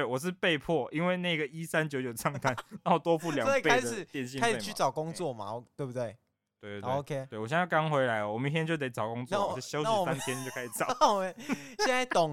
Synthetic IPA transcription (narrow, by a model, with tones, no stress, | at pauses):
t̪e˥˩wɔ˨˩ʂ̬ɻ̩˥˧pe˥˧ɪpʰɔ˥˨ʔi˦nwe˥˧ɪna˥˩i˧˥ɡə˩i˦sa˦nt͡ɕjo˧˦t͡ɕjo˨˩ʊʈ͡ʂʰɑ˥˩ŋt̪a˥nna˥˩wɔ˨˩t̪wɔ˥˦fu˥˩ljɑ˨˩˥pe˥a˦ɪ˨˩t̪jɛ˥˧nɕ̬i˥˧ka˥ɪʂe˥˨t͡ɕʰy˥˨˩t͡sɑ˨˩ʊkʊ˦ŋ˦t͡swɔ˥˩ma̰˨t̪we˥˩ɪbu˩t̪we˥˩ɪ | t̪we˥˩˨we˥˧oe˥˧˩kʰe˦we˥˩ɪwɔ˨˩jɛ˥˧˩kɑ˥ŋxwe˧˥ɪla˧˦ɪə˨wɔ˨mə˦i˥t̪ʰjɛ˥nt͡ɕjo˥˩ʊt̪e˨˩ɪt͡sɑ˨˩ʊkʊ˧˦ŋt͡swɕjo˥˦ʊ˥˨sa˥˦nt̪ʰjɛ˥ni˨jo˥˧kʰa˥ɪɕi˨˩t͡sɑ˨˦wɔ˨mə˦nɕɛ˥˧na˥˩ɪt̪ɔ˨˩